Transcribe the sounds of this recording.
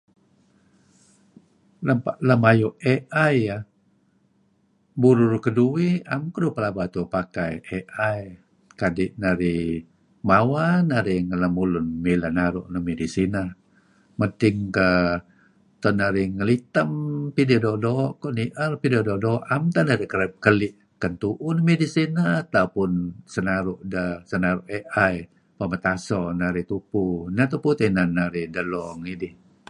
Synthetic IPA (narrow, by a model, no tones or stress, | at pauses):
lapaʔləmajuʔeʔaja | buɾʊrkəduiamkəɾupəlabat̪upakajʔeʔaj | kadɪʔnaɾi | mawanaɾiŋələmulunmilanaɾṵʔnəmedisina | mət̪ɪŋkə | t̪ɔnaɾiŋəlit̪əmpididɔdɔʔkɔʔniʔərpidɔdɔdɔʔamt̪anadəkələp̚kəliʔ | kənt̪uʔunmedisinat̪apunsənaɾuʔdəsənaɾuʔeʔaj | pəmət̪asɔnaɾit̪upunat̪uput̪enanaɾidəlɔŋidih